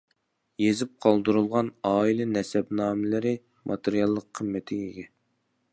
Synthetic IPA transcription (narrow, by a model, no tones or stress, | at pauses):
jezɪp̚qʰɑlˠd̪ɨɾulˠʁɑnɑːilˠɨnɛsɛbnɑːmɪlɪɾɪ | mʔɑt̪ʰeɾijɑlˠːəqʰːəmːɪt̪ʰɪɡeɡʲɛ